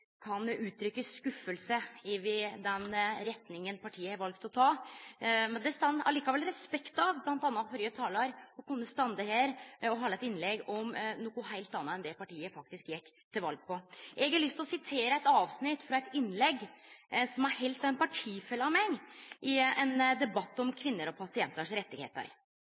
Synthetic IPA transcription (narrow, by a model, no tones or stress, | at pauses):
kʰɑnʉːt̪ʰɾʏkːəskʉfːəlsəɪʋɪd̪ɛnɾɛt̪nɪŋənpʰɑʈʰiːəɾʋɑlkt̪ɔt̪ʰɑː | mɛnd̪ɛst̪ɑnɑ̰liːkɑʋɛlɾɛspɛkt̪ɑʋblɑnt̪ɑnːɑfɔɾjət̪ʰɑːlɑɾɔkʉnːəst̪ɑnd̪əheːɾɔɦɑːlɛt̪ɪnlɛɡɔmnuːkʊɦæɪlt̪ɑnːəɛnd̪ɛpɑʈʰiːəfɑk̚t̪ɪskjɛkːt̪ʰɪlʋɑ̰lɡ̚pʰɔʔɛɡɑɭʏst̪lɔsɪt̪ʰeːɾəæɪt̪ɑːʋsnɪt̪ːfɾɑɛt̪ɪnːlɛɡːsɔmæɾhɛɪlt̪ɑʋɛnpʰɑʈʰiːfɛlːɑmɛŋːʔɪɛnd̪ɛbɑt̪ːɔmkʰʋɪnːəɾɔpʰɑsɪɛnt̪əʂɾɛt̪ːɪɡḛːt̪ə̰ɾ